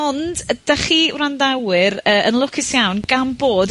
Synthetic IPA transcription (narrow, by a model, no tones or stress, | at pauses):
ɔndəd̥aχiːwrandawɨɾəːʔənlˠʊkʰɪsjawnɡ̥amboːd